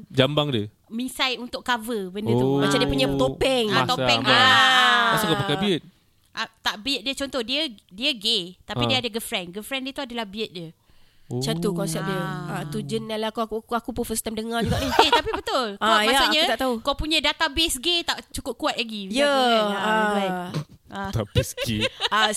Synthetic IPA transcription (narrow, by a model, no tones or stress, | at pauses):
d͡ʒambaŋdiə | misajunt̪ʊʔkavəbəndət̪umat͡ʃamdiəpuɲat̪opɛŋat̪oɛŋdəmasukapakabiət̪̚ | ʔat̪aʔbiət̪̚diət͡ʃɔnt̪ɔhdiədiəɡet̪apidiəadəɡəfɾɛnɡəfɾɛndiət̪uadalahbiət̪̚diə | t͡ʃant̪ukɔnsɛp̚diəat̪ud͡ʒənalakukuakupufəst̪amdəŋard͡ʒuɡaʔniket̪apibət̪ʊlkajaasaɲat̪aʔt̪aukawpuɲadat̪abesɡet̪aʔt͡ʃukʊp̚kuat̪̚laɡijəaabaiat̪abesɡea